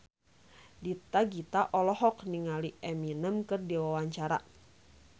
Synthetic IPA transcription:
dit̪aɡit̪aʔɔlɔɦɔkniŋaliɛminəmkɨrdiwawaɲt͡ʃaɾa̰

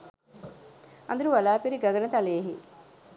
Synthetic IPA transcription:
ɐ̰nd̪uɾuʋɐlaːpiɾiɡaɡɐnɐt̪aleːɦḭ

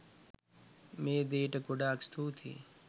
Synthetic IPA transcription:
meːd̪eːʈɐkoɖaːkst̪ʰuːt̪ʰḭː

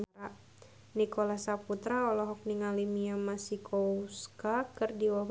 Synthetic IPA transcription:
a | nikolasaput̪ɾaɔlɔɦɔk̚niŋalimiamasikʰɔuskakɨrdiwab

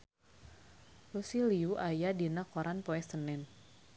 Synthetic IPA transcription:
rusiliuʔajadinakɔɾanpɔɛsənɛn

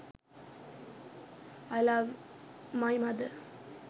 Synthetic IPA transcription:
aɪlʌvmaɪmʌd̪ə

